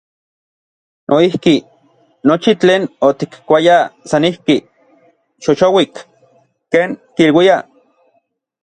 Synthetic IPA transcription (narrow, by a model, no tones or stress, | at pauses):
nʔoihki | not͡ʃit͡ɬeːnot̪ikkʷajasanihki | ʃoʃowik | keːŋkiilwia